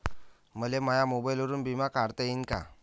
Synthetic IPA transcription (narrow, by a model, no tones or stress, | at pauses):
məlemajamobajləɾuːnbimakaɾt̪əinka̰